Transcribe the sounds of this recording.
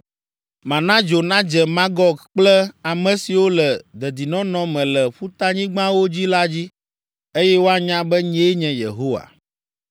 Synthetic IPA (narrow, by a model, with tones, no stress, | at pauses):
mã˨nã˦d͡ʒo˨nã˦d͡ʒɛ˨mã˦ɡɔ˦ɡk͡plɛ˦a˨mɛ̃˨si˨wo˦lɛ˨d̪ɛ˨d̪i˨nɔ̃˦nɔ̃˨mɛ̃˨lɛ˨ɸu˦t̪a˦ɲĩ˦ɡ͡bã˦wo˦d͡ʑi˦la˦d͡ʑi˦ | e˦jɛ˦wo˦a˦ɲã˦bɛ˦ɲɛ̃˦ɲɛ̃˨jḛ˨ɦo˦wa̰˨